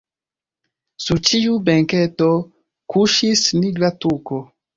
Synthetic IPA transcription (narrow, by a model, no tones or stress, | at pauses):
suɾt͡ʃiubeŋketo | kuʃisniɡɾatuko